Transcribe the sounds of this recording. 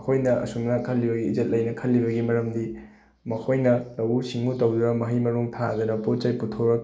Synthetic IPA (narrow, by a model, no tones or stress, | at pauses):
kʰojnɐʔɐ̰suŋnɐkʰɐlːibɐɡiːzet̚lɐjnɐkʰɐlːibɐɡimɐɾɐmdi | mɐkʰojnɐlɐwusiŋutɐwd̪uɾɐmɐɦijmɐɾuŋtʰadɐnɐpot̚t͡ʃɐjputʰoɾɐk̚